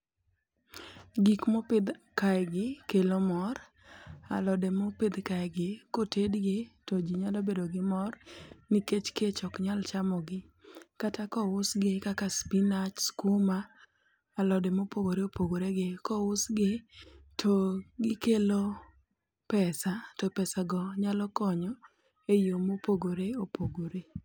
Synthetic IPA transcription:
ɡikmopɪd̪kajɡɪkelomɔɾ | a̰lɔdemopɪd̪kajɡɪkotedɡɪtod͡ʒiɲalɔbedoɡɪmɔrniket͡ʃket͡ʃɔkɲalt͡ʃamɔɡɪ | katakɔwʊsɡɪkakaspinat͡ʃskumaː | lɔdemopoɡoɾeopoɡoɾeɡɪkɔwʊsɡɪtʰoɡɪkelo | pɛsatɔpɛsaɡɔɲalɔkɔɲɔ | ejomopoɡoɾeopoɡoɾe

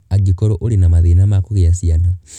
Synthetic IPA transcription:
aɡikɔɾɔʔoɾenamaðenamakoɣeasiana

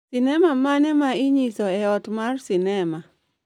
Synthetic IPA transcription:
sinɛmamanɛmaɪɲisɔɛɔtmarsinɛma

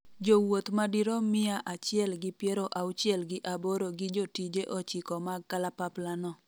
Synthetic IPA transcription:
d͡ʒowot̪madiɾɔmɪaʔat͡ʃɪɛlɡɪpjɛɾoʔawʊt͡ʃɪɛlɡɪʔaboɾoɡɪd͡ʒotid͡ʒeʔɔt͡ʃɪkɔmaɡkalapaplanɔ

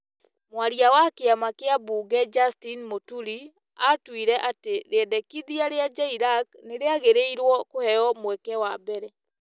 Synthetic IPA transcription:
mwaɾiawakeamakeabuːɣɛd͡ʒastinmotuɾi | atwiɾɛʔateɾeɛdɛkiðiaɾead͡ʒaiɾak̚neɾeaɣeɾeiɾwɔkohɛjɔmwɛkɛwabɛɾɛ

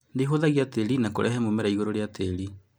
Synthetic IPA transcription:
ndeɦoðaɣiateɾinakoɾʔɛɦɛmomɛɾaiɣoɾoɾeateɾi

